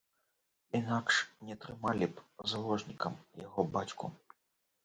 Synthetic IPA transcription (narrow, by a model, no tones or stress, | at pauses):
inakʂnʲɛt̪ɾɨmalʲipzalˠɔʐnʲikɐmjaɣɔbat͡sʲkṵ